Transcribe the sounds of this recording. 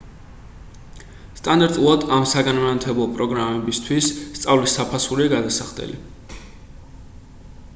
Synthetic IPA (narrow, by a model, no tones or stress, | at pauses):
st̪ʼand̪aɾt̪ʼulˠad̪amsaɡanmat̪ʰɛblˠɔpʼɾɔɡɾamɛbist̪ʰwisːt̪sʼavlisːapʰasuɾiaɡad̪asaχd̪ɛ̰lḭ